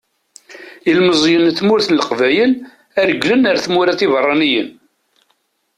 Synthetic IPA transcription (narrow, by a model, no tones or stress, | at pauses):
ilməzˤjənθmʊɾθənləqvæjəl | æɾəɡlənəɾθmʊɾaθivərˤːɑnijən